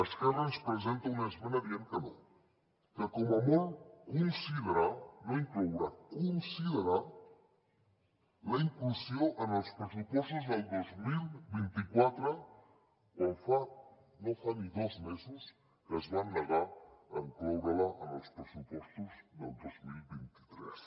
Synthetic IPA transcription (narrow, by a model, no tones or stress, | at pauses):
ɐskarɐspɾəzent̪ɐwnezmenɐβiankɐno | kəkomɐmokunsiðəɾaloiŋklowɾakũnsiðəɾa | lɐiŋklusjoʔɐnɐlspɾəsupɔst̪uzðɐld̪ozmilbint̪ikwat̪ɾa | konfa | nofaniðozmezes | kəzβanːeɣaeŋkowɾalaʔːno̰spɾesupwɔst̪uzðḛlˠd̪ozmilbint̪i̥t̪ɾḛs